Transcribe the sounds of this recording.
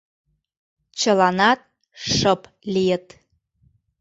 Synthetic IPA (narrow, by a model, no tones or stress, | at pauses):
t͡ɕə̆lɑnɑt̪̚ | ʃəp | lijət̪